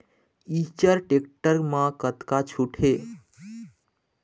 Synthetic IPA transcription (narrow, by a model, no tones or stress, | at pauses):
it͡ʃəɾʈekʈəɾmãkət̪kat͡ʃʰuʈʰe